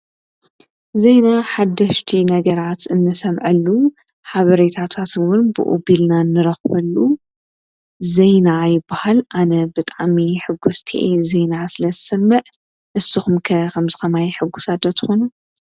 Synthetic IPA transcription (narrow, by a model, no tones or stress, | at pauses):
zejnaħad̪ːɐʃt̪ʰinɐɡɐɾat̪ɨnːɨsɐmʕɐlːu | ħaβɐɾet̪ʰat̪ʰat̪ɨwʊnbɨ̰ʔṵbilnanːɨɾɐxbɐlːu | zejnajɪbːahalʔanɐbɨt̪ʼaʕmiħɨɡːust̪ʰiʔezejnasɨlɐzɨsɐmːɐʕ | ʔɨsːɨxumkʰɐkʰɐmzɨkɐmajħɨɡːusad̪ɐt̪ʰxonu